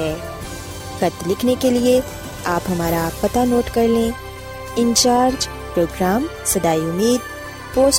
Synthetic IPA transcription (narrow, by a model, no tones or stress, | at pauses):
ɛː | xɐt̪lɪkʰnekelie | aːpɦɐmaːɾapɐt̪anoːʈkɐɾlẽ | ɪ̃ɲt͡ʃaːɾd͡ʒ | pɾoːɡɾaːm | sɐd̪aːiʊmiːd̪̚ | poːs